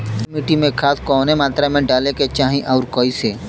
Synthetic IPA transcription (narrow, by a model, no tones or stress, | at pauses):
kʊmiʈimẽkʰaːskɔːnemaːt̪ɾamẽɖaːleket͡ʃaːɦĩʔɔːɾkoːiseː